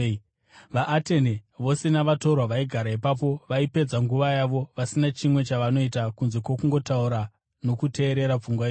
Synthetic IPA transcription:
ʋaʔːteneʋo̞se̞naʋato̞rwaʋaiɡʱaɾaipapo̞ʋaipe̞d͡zaŋɡuʋajaʋo̞ʋasinat͡ʃimwe̞t͡ʃaʋano̞itakunze̞kwo̞kuŋɡo̞tauɾa | no̞kute̞ːɾe̞ɾap͡fuŋɡwai

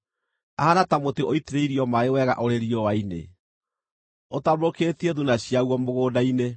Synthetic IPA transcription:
ahanatamotiʔoiteɾeiɾiɔmaewɛɣa̰ʔoɾeɾiɔwainḛ | otamoketieðunaɕiaɣwɔmoɣoːdaine

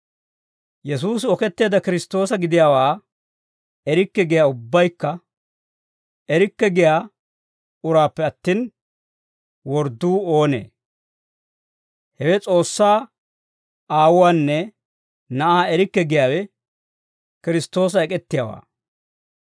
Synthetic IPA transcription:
jɛs̬uːsɪɔkɛt̪ːe̞ːd̪ɐkɪɾɪst̪ːoːsɐɡɪd̪ɪjaːwaː | ɛɾɪkːɛɡɪjaːʊbːɐjkːɐ | ɛɾɪkːɛɡɪjaː | ʊɾaːpːɛɐt̪ːiːn | wɔɾd̪uːo̞ːnḛː | hɛwɛt͡sʼo̞ːsːaː | aːwʊwaːnːɛ | nɐʔaːɛɾɪkːɛɡɪjaːwɛ | kɪɾɪst̪ːo̞ːs̬ɐɛkʼɛt̪ːɪja̰ːwa̰ː

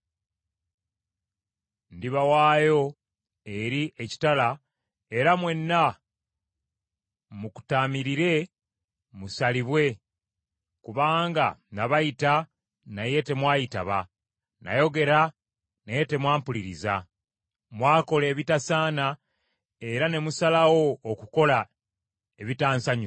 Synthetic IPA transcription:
ndiβawaːjo̞ | e̞ɾiʔeci̥tala | e̞ɾamwe̞nːa | muku̥taːmiɾiɾe̞ | musaliβwe̞ | kuβaːŋɡa̰naβajita | naje̞te̞mwaːjita̰βa | na̰jo̞ɡe̞ɾa | naje̞te̞mwaːmpuliɾiza | mwaːko̞le̞ːβitasaːna | e̞ɾane̞musalawo̞ːkuko̞la | e̞βitaːnsaɲ

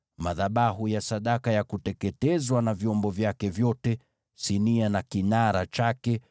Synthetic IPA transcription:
maðaɓaɦujasaɗakajakutɛkɛtɛzwanavjɔmbɔvjakɛvjɔtɛ | sinianakinaɾat͡ʃakɛ

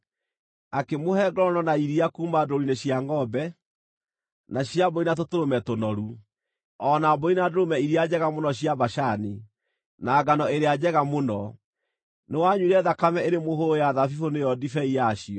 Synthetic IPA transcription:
akemohɛɡɔɾɔnɔnaiɾiakuːmadoɾineɕjaŋɡɔbɛ | naɕiaboinat̬otoɾomɛtonɔɾu | ɔnaboinadoɾomɛiɾiad͡ʑɛɣamonɔɕiabaʃani | naːɡanɔeɾead͡ʑɛɣamonɔ | newaɲuiɾɛðakamɛeɾemoɦoɾojaðafifonejɔdifɛijaɕiɔ

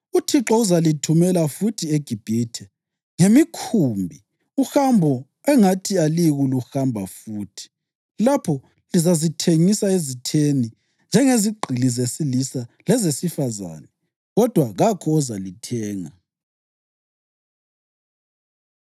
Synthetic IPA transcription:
utʰiǁɔuzalitʰumɛlafutʰieɡ̥ʱib̥ʱitʰɛ | ŋemikʰumbʱi | uxambʱɔ | ɛŋatʰialiɣuluxambʱafuːtʰi̥ | lapʰɔ | lizazitʰeŋisaezitʰeni | nd͡ʒʱɛŋeziɡ͡ǃʱilizesilisalɛzesifaza̰ːnɛ | ɣɔd̥ʱwaɣakʰɔːzalitʰɛːŋa̰

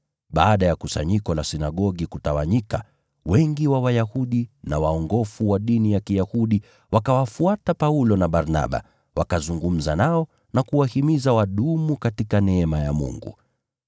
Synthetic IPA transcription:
ɓaːɗajakusa̰ɲikɔlasinaɠɔɠikutawaɲika | wɛŋɡiwawajahuɗinawaɔŋɡɔfuwaɗinijakijahuɗi | wakawafuatapaulɔnaɓaɾna̰ɓa̰ | wakazuŋɡum̩zanaɔ | nakuwahimizawaɗumukatikanɛɛmajamṵŋɡṵ

